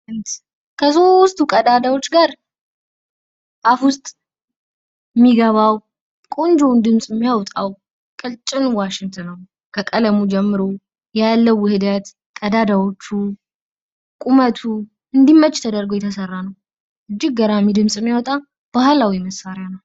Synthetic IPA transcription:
ɨnt̪ | kʰəso̞st̪ʰukʼəd̪ad̪awot͡ʃːɡaɾ | ʔafwʊst̪ʼ | mːiɡəβaw | kʼond͡ʒond̪ɨmsʼɪmːijawt̪ʼaw | kʼɨlt͡ʃʼɪnwaʃɪŋt̪ʰənːəw | kʰəkʼələmud͡ʒɛmːɨɾo | jalːəwːɨhɨd̪ət̪ | kʼəd̪ad̪awo̞t͡ʃːu | kʼumət̪ʰu | ɨnd̪imːət͡ʃʼːt̪ʰəd̪əɾɡəwjɛt̪ʰəsərːanəw | ʔɨd͡ʒːɪɡ̚ɡəɾamid̪ɨmsʼɨmːjawt̪ʼa | b̥ahlawiməsːaɾjanaw

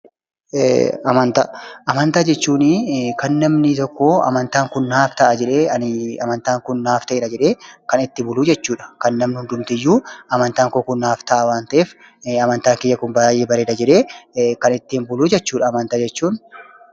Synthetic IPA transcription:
ɐmɐnt̪aʔɐmɐnt̪aːd͡ʒɛt͡ʃːuːnɪkɐnːɐmnɪt̪ɔkːoːɐ̰mɐnt̪aːŋkʊnːaːft̪ɐʔɐd͡ʒɛᶑeːɐnɪɐmɐnt̪aːŋkʊnːaːft̪ɐʔeːɾɐd͡ʒɛᶑe̞ːkɐnɪt̪ːɪbʊluːd͡ʒɛt͡ʃːuːᶑɐ̥kɐnːɐmnɪhʊnd̪ʊmt̪ɪjːuːɐmɐnt̪aːŋkoːkʊnːaːft̪ɐʔawaːnt̪ɐeːf | ɐmɐnt̪aːŋkɪjːɐkʊnbɐjeːbɐɾeːᶑ̪ɐd͡ʒɛᶑe̞ːkɐnɪt̪ːɪnbʊluːd͡ʒɛt͡ʃːuːᶑɐːmɐnt̪aːd͡ʒɛt͡ʃːuːn

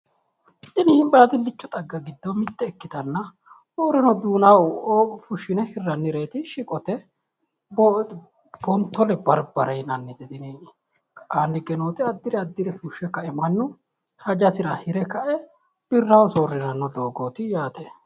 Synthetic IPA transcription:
t̪ːɪnɪhɪmbaːt̪ɪlːɪt͡ʃːɔt̪ʼɐɡːɐɡɪd̪ːɔmɪt̪ːɛːkːɪt̪ɐnːɐ | soːɾɪnɔd̪uːnawoːfʊʃːɪnɛhɪrːɐnːɪɾe̞ːt̪ɪʃɪkʼɔt̪ɛ | b | b̥ɔnt̪ːɔlɛbɐɾbɐɾɐjnɐnːɪd̪ɛd̪ɪni | aːnːɪɡɛnoːt̪ɪɐd̪ːɪɾɛɐd̪ːɪɾɛfʊʃːɛkɐʔɛmɐnːʊ | hɐd͡ʒɐsɪɾɐhɪɾɛkɐʔɛ | b̥ɪrːawsoːrːɪnɐnːɔd̪o̞ːɡoːt̪ɪjaːt̪ɛ

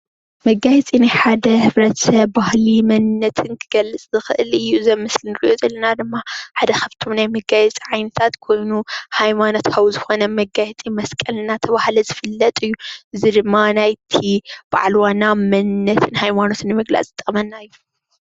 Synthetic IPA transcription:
mɐɡajɛt͡sʼinajħad̪ɐhɨβɾɐt̪sɐβbahlimɐnnɐt̪ʰɨnkʰɨɡɐlːɨt͡sʼzɨxɨʔɨlɨjːuzɐmɨslinɨɾiʔo̞zɐlːɐnad̪ɨmːaħad̪ɐxɐβt̪ʰomnajmɐɡajɛt͡sʼiʕajnɐt̪ʰat̪kʰo̞jnuhajmano̞t̪kʰɐwuzɨxo̞nɐmɐɡajɛt͡sʼimɐskʼɐlnat̪ʰɐβahlɐzɨfɨlːɐt̪ʼɨjːuʔɨzid̪ɨmːanajt̪ʰib̥a̰ʕlwanamɐnnːɐt̪ʰɨnhajmano̞t̪nɨmɨɡla̰t͡sʼit̪ʼmɐnːaɨjːu

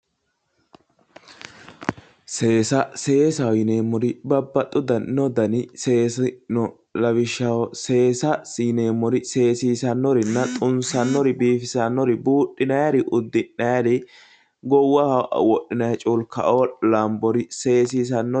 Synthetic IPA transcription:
se̞ːsɐse̞ːsɐwjɪneːmːɔɾɪbɐbːɐt̪ʼːʊd̪ɐnnɔd̪ɐnɪse̞ːsnɔ | lɐβɪʃɐwse̞ːsɐsineːmːɔɾɪse̞ːsiːsɐnːɔɾɪnːɐt̪ʼʊnsɐnːɔɾɪbiːfɪsɐnːɔɾɪbuːʔːɪnɐjɐɾɪʔʊd̪ːɪnːɐjɐɾɪ | ɡɔwːɐhɐʔwɔɗːɪnɐjt͡ʃʼuːlkɐ̰ʔoːlɐmbɔɾɪse̞ːs̬iːs̬ɐnːɔ

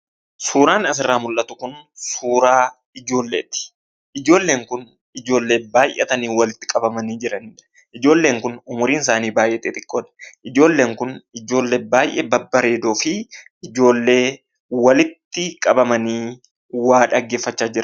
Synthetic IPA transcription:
suːɾaːnɐs̬ɪrːaːmʊlʔɐt̪ʊkʊnsuːɾaː | ɪd͡ʒo̞ːlːeːt̪ːɪ̥ | ʔɪd͡ʒo̞ːlːe̞ːŋkʊn | ɪd͡ʒo̞ːlːe̞ːbaːjʔɛ̰t̪ɐniːwɐlɪt̪ːɪ̥kʼɐbɐmɐniːd͡ʒɪɾɐn | ɪd͡ʒo̞ːlːe̞ːŋkʊnʊmʊɾiːnɪs̬aːniːbaːjʔɛt̪ɪt̪ʼɪkʼːoːd̪ɐ̥ʔɪd͡ʒo̞ːlːe̞ːŋkʊnɪd͡ʒo̞ːlːeːbaːjʔɛbɐbːɐɾe̞ːd̪o̞ːfɪː | d͡ʒo̞ːlːe̞ː | wɐlɪt̪ːɪkʼɐbɐmɐniː | waːᶑɐɡːe̞ːfːɐt͡ʃːaːd͡ʒɪɾɐ

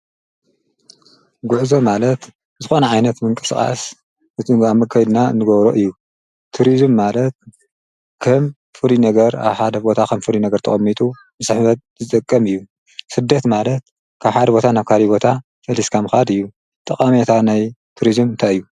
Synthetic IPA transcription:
ɡuʕzomalɐt̪ | zɨxo̞nɐʕajnɐt̪mɨŋkʼɨ̥skʼa̰s | ʔɨamɐkʰːajd̪naɨ̰nɨɡɐβɾoʔɨjːu | t̪ʰuɾizɨmːalɐt̪̚ | kʰɐm | fuɾinɐɡɐɾa̰βħad̪ɐbo̞t̪ʰakʰɐmfɨɾinɐɡɐɾt̪ʰɐχʼɐmːit̪ʼu | mɨsɨħβɐt̪̚zɨt̪ʼɨkʼːɐmɨjːu | sɨd̪ːɐt̪malɐt̪̚ | kʰaβħad̪ɐbo̞t̪ʰanaβkʰalibo̞t̪ʰa | sɐliskʰamɨxad̪ɨjːu | t̪ʼɐχʼamet̪ʰanajt̪ʰuɾizɨmnt̪ʰaɨjːu

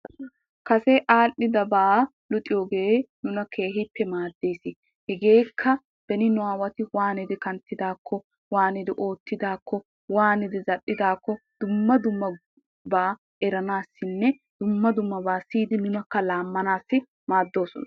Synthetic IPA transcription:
kɐsɛʔaːʔːɪd̪ɐbaː | lʊt̪ʼɪjoːɡe̞ːnʊnɐke̞ːɦɪpːɛmaːd̪ːe̞ːsɪ | hɛɡe̞ːkʰːɐ | b̥ɛnɪnʊaːwɐt̪ɪwaːnɪd̪ɪkɐnt̪ːɪd̪aːkʰːɔ | waːnɪd̪ɪʔo̞ːt̪ːɪd̪aːkːɔ | waːnɪd̪ɪzɐɗːɪd̪aːkːɔd̪̥ʊmːɐd̪ʊmːɐ | baː | ɛɾɐnaːsːɪnːɛ | d̪̥ʊmːɐd̪ʊmːɐbaːsiːd̪ɪnɪnɐkːɐlaːmːɐnaːsːɪ | maːd̪ːo̞ːsɔnɐ

